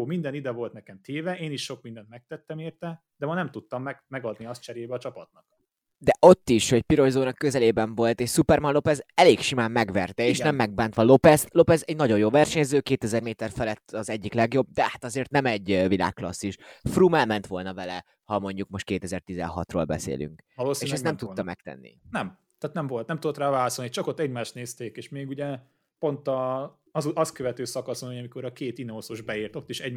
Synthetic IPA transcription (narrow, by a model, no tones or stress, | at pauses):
mind̪ɛnid̪ɛvo̞lt̪nɛkɛmt̪ʰeːvɛeːniʃʃo̞kmind̪ɛnt̪mɛk̚t̪ɛt̪ːɛmeːrt̪ɛ | d̪ɛmɒnɛmt̪ut̪ːɒmːɛmɛɡɒd̪niɒst̪t͡ʃɛɾeːbɛɒt͡ʃɒpɒt̪nɒk | d̪ɛʔo̞t̪ːiʃho̞cpiɾo̞jzoːnɒkːøzɛleːbɛɱvo̞lt̪eːʃsupɛrmɒnlo̞pɛzɛleːkʃimaːmːɛɡʋɛrt̪ɛeːʃnɛmːɛɡ̚baːnt̪ʋɒlo̞pɛzlo̞pɛzɛɟnɒɟo̞joːvɛrʃɛɲɛzøːkeːt̪ɛzɛrmeːt̪ɛrfɛlɛt̪ːɒzɛɟːiklɛɡjo̞b̚d̪ɛhat̪ɒzeːrt̪nɛmɛɟvila̰ːkːlɒ̰sːiʃfruːmɛlmɛnt̪ʋo̞lnɒvɛlɛ | hɒmo̞ɲɟuk̚mo̞ʃt̪̚keːt̪ɛzɛrt̪izɛ̰nɦɒt̪ro̰ːlbɛ̰sḛːly̰ŋkloːseːʃɛst̪ɛmt̪ut̪ːɒmɛk̚t̪ɛ̰nːḭnɛm | t̪ɛaːt̪nɛmvo̞lt̪nɛmt̪ud̪ot̪raːvaːlɒsolnit͡ʃɒkot̪ːɛɟmaːʃt̪neːst̪eːkeːʃmeːɡuɟɛ | po̞nt̪ɒ | zuɒskøvɛt̪øːsɒkɒsonhoɟɒmiko̞ɾɒkeːt̪inoosoʒbɛirt̪o̞t̪ːiʃɛɟ